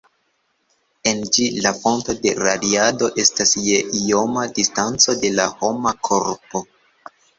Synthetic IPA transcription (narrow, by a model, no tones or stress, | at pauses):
e̞nd͡ʒilafo̞nto̞de̞ɾadiado̞ʔe̞stasjeʔio̞madistant͡so̞de̞la̰ho̞makʰo̞ɾpo̞